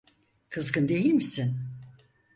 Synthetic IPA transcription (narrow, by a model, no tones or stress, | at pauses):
kʰɯzɡɯnd̪e̞jilʲmisin